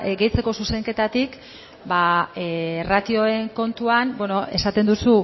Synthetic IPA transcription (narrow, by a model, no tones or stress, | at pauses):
ɡe̞jt͡se̞ko̞suse̞ŋke̞t̪at̪ik | baerat̪io̞e̞ŋko̞nt̪uanbweno̞ʔe̞sat̪e̞nd̪usu